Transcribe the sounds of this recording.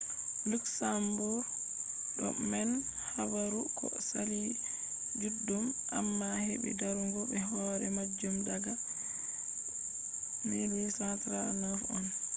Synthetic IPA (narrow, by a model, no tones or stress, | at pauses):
luksambɔ | ɗɔ̰mɛn | habaɾukʰɔ̰ | sali | d͡ʒudːumʔa̰mːahɛ̰bɛ̰daɾuŋɡɔbɛɦɔɾɛmad͡ʒːumdaɡa | milisatɾanafɔn